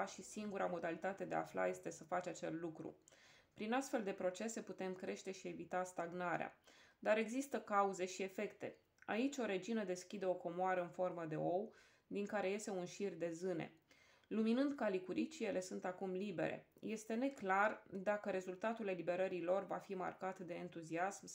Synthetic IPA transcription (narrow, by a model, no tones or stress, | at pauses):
aʃisiŋɡuɾamo̞d̪alit̪at̪e̞d̪ea̰fla̰je̞st̪e̞səfat͡ʃat͡ʃeslt̪lukɾṵ | pɾinast̪fe̞ld̪e̞pɾo̞t͡ʃe̞se̞put̪e̞mkɾe̞ʃt̪e̞ʃie̞vit̪ast̪aɡnaɾea̰d̪aɾe̞ɡzist̪əkauze̞ʃie̞fe̞kt̪e̞̰ | a̰it͡ʃʲo̞ɾe̞d͡ʒinəd̪e̞skʲid̪e̞o̞ko̞moaɾəɨnfo̞rməd̪e̞̰o̞w | d̪iŋkaɾe̞je̞st̪e̞unʃird̪e̞zɨne̞̰ | luminɨnd̪kalikuɾʔit͡ʃije̞le̞sunt̪akumlibe̞̰ɾḛje̞st̪e̞ne̞klard̪akəɾe̞zult̪at̪ule̞libe̞ɾəɾilo̞rva̰fima̰rkat̪d̪e̞ːnt̪uziasm